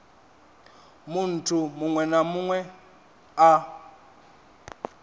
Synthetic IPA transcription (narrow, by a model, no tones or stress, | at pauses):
mun̩tʰumuŋwɛnamuŋwɛ | a